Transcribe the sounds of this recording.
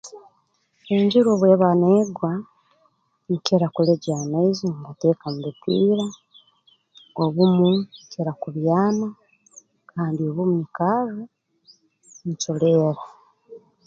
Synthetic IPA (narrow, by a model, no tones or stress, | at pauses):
eɲɟiɾoːβwe̞ːβaneːɡwa | n̩ceɾakuleɟaːnaiziŋɡateːkamuβupiːɾa | oβumuceɾakuβjaːma | kʰaːndioβumumikazu | n̩t͡ʃuleːɾa